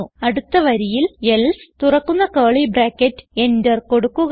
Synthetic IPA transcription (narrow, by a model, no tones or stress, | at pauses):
uɐɽut̪ːɐʋɐɾijiljelst̪urɐkːunːɐkoːɭibraːkːetːɨ̥e̞ndɐrko̞ɽukːuɣ